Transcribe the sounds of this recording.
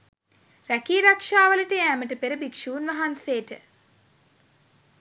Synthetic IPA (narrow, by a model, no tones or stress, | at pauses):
rækiːɾakʂaːʋələʈəjæːməʈəpeɾəbikʂuːnʋaɦanseːʈə